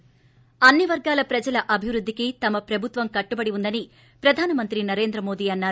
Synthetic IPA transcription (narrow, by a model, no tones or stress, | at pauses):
ɐnːiʋɐɾɡaːlɐpɾɐd͡ʒɐlɐʔɐbʱiʋɾud̪ːikit̪ɐmɐpɾɐbʱut̪ʋɐmkɐʈːubɐɽiund̪ɐni | pɾɐd̪ʱaːnɐmɐnt̪ɾinɐɾe̞ːnd̪ɾɐmo̞ːd̪iːɐnːaːɾ